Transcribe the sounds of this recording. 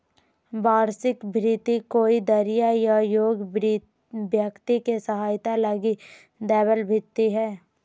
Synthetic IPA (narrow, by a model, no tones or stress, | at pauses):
baːɾsɪkbʱɾɪt̪ikoːid̪əɾɪjajajoːɡ | bjəkt̪ikesəɦaːjt̪aləɡi | d̪ɛːbəlbʱɪt̪ːiɦɛː